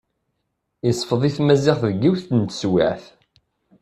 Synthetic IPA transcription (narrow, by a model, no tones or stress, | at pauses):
isˤfəðˤiθmæziʁθðɡiwθənt̪swaʕθ